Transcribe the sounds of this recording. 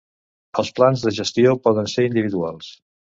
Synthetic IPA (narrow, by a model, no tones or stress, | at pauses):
əlˠsplanzðəʒəst̪iopɔðənseɾind̪iβ̞iðualˠs